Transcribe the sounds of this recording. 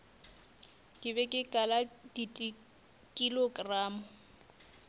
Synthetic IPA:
kʼɪbɛkʼɪkʼaladitʼi | kʼiloɡraːmʊ

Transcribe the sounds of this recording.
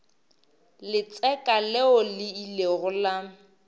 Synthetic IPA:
lɪt͡sʼɛkʼalɛɔlɪileɣʊla

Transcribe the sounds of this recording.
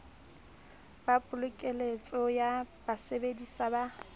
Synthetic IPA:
b̥apʼʊlʊkʼelet͡sʼɔjabasebedisaba

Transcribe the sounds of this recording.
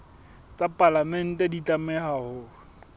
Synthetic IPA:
t͡sʼapʼalamɛn̩tʼɛdit͡ɬʼamɛhahʊ

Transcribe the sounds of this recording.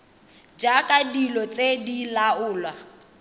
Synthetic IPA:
d͡ʒakʼadilɔt͡sʼedilaʊːlwa

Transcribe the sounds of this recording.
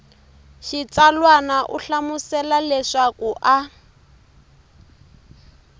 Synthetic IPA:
ʃit͡salwanaʔuɬamusɛlalɛʂakuʔa

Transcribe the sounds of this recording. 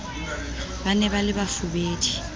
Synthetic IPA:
banɛβalɪbafʊbeːdʰʼi̥

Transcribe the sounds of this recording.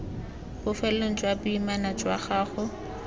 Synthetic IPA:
bʊfɛlon̩t͡ʃʼwabʊimanat͡ʃʼwa̰χaːχʊ

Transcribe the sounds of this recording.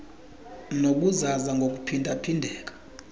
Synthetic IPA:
nok̬ʼuzazaŋɡʱok̬upʰindʱapʰindʱɛːk̬ʼḁ

